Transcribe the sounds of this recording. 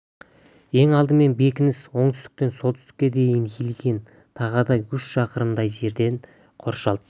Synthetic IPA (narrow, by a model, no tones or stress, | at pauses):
e̞ŋɑlˠd̪əme̞nbe̞kʲɪnɪswo̞ɴt̪ʰʏst̪ɪ̥k̚t̪e̞nso̞lˠt̪ʰʏ̥st̪ɪ̥kʲːe̞d̪e̞jɪnʲʰilɡʲe̞n | t̪ʰɑʁəd̪ɑjʏʃʃɑqəɾəmd̪ɑjʒe̞ɾd̪e̞n | qʰo̞ɾʃɑlˠd̪ə